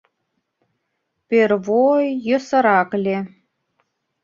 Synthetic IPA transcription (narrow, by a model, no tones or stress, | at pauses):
peɾβojːɤ̆sə̆ɾɑklʲe